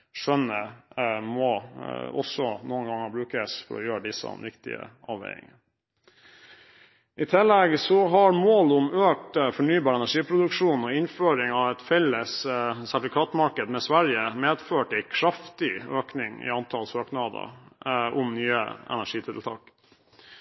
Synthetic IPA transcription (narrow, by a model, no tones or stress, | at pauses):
ʂœnːəmɔɔsːɔnuːənɡɑŋːəbɾʉːkəsfɔ̰ɾɔ̰jøːɾəɖɪsːə̰nʋɪkt̪ɪ̰ə̰ʔɑ̰ːʋḛɪɪ̰ŋə | ʔɪt̪ʰɪlːɛɡsɔɦɑɾmoːlʊmøːk̚t̪fɔɳyːbɑːɾɛnæʂiːpʰɾʊd̪ʉkʂuːnɔɪnføːɾɪŋɑʋɛt̪fɛlːəssæʈ̪ɪfɪkʰɑːt̪mɑɾkəd̪mɛsʋæɾjəmeːd̪føːʈɪkʰɾɑft̪ɪøːknɪŋɪ̰ɑnt̪ʰɑlsøːknɑːd̪ə̰ʔʊmnyːə̰ɛ̰næʂiːt̪ʰɪlt̪ʰɑ̰ːk